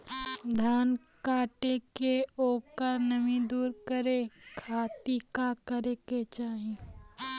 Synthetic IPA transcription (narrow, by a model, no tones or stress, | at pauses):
d̪ʱaːn | kaːʈekeoːkəɾnəmĩd̪uːɾkəɾekʰaːt̪ikakəɾeket͡ʃaːɦĩ